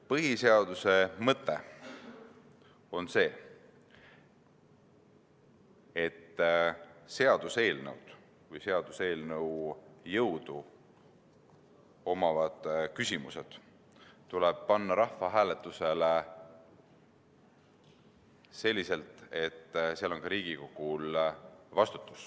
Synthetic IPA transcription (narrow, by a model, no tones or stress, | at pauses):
pɤɦise̞ɑd̪̥use̞mɤt̪ːˑe̞ | o̞nse̞ː | et̪ː | se̞ɑd̪̥use̞ːlnɤ̰wd̪̥ | vɯjse̞ɑd̪̥use̞ːlnəwjɤwd̪̥u | o̞mɑvɑd̪̥kysʲimuse̞d̪̥ | t̪ːuleb̥̚pɑnːɑɾɑhfɑɦæːle̞t̪ːˑuse̞le | se̞lʲːise̞lt̪ˑe̞t̪ːseɑlo̞nkɑɾiːɡ̥iko̞ɡ̥ulvɑst̪u̥t̪ːˑu̥s